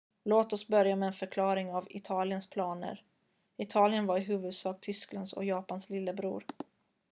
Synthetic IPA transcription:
loːt̪ɔsbœɾjamɛɛnfœɾkʰlɑːɾɪŋavɪ̰t̪ʰɑːlɪənspʰlɑːnə̰ɾ | ɪt̪ʰɑːlɪənvaɾɪɦʉ̟ːvɵd̪sɑːk̚t̪ʰʏskland̪sɔ̰jɑːpanslɪlːəbɾṵːɾ

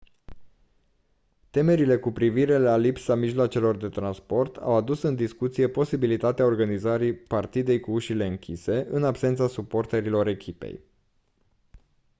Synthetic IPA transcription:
t̪e̞me̞ɾile̞kupɾiviɾe̞lalipsamiʒloat͡ʃe̞lo̞rd̪e̞t̪ɾanspo̞rt̪ʰa̰wad̪usɨnd̪iskut̪sije̞po̞sibilit̪at̪eao̞rɡanizaɾipart̪id̪e̞jkuuʃile̞ɨŋkʲise̞ʔɨnabsent̪sasupo̞rt̪eɾilo̞ɾe̞kʲʰipḛj

